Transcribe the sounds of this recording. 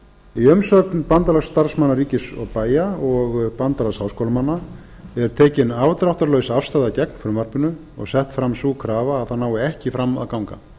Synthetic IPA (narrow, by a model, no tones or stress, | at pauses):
iœmsœknpant̪alasːt̪aɾ̥smanːaɾiːcɪsɔɣpaːjaɔɣpant̪alashawskowlmanːa | ɛɾ̥t̪ʰɛːcɪnavt̪ɾawht̪aɾlœɥsafst̪ajðacɛknfɾʏmar̥pʏnʏ | ɔɣsɛht̪fɾamsuːkʰɾaːvaːðθanaːwɪɛhcɪfɾama̰ðkawŋka̰